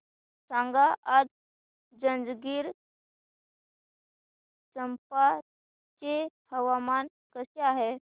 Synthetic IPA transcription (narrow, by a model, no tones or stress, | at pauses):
sãŋɡaʔːd̪ | d͡zə̃nd͡zɡiːɾ | t͡səmpa | t͡ɕehəʋaman | kəseaɦe